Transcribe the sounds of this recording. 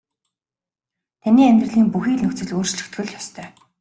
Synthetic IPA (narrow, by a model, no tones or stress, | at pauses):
t̪ʰaniːæmʲt̪rɘ̆ɮiːmpuxiːɮnɵxt͡sɘ̆ɮoːrt͡ɕt͡ɕɵ̆kt̪ɡɘ̆ɮjɔst̪ʰœː